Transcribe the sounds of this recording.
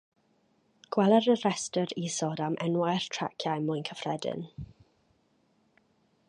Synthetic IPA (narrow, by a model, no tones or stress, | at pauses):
ɡ̥wɛlɛɾərɛstəɾiːsɔdamʔɛ̰nwajrtʰa̰kʰjajmʊjnkʰəfrɛdɪ̰n